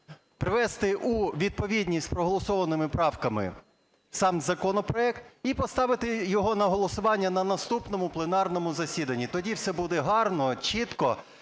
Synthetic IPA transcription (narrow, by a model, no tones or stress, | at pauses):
pɾɪʋɛst̪ɪʔuʋʲid̪̚pɔʋʲid̪ʲnʲisʲt̪ʲpɾɔɦɔlˠɔsɔʋɐnɪmɪpɾɑwkɐmɪ̰ | sɑmzɐkɔnɔpɾɔɛkt̪ipɔst̪ɑʋɪt̪ɪjɔɦɔnɐɦɔlˠɔsʊʋɑnʲːɐnɐnɐst̪upnɔmʊplˠenɑrnɔmʊzɐsʲid̪ɐnʲːit̪ɔdʲiwsɛbud̪ɛɦɑrnɔt͡ʃit̪kɔ